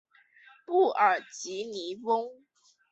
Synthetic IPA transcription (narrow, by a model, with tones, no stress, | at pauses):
pu˥˩ə˨˩t͡ɕi˨˥ni˧˥˦fʊ˥ŋ